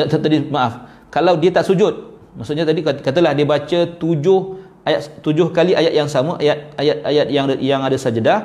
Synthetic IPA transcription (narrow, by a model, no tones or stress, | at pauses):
t̪ət̪adimaʔaf | kalawdiət̪aʔsud͡ʒʊt̪̚ | maʔsʊʔɲat̪adikkat̪əlahdiəbat͡ʃət̪ud͡ʒʊh | ajat̪t̪ud͡ʒʊhkaliʔajat̪̚jaŋsaməʔajat̪̚ajat̪̚ajat̪̚jaŋjaŋadəsad͡ʒəda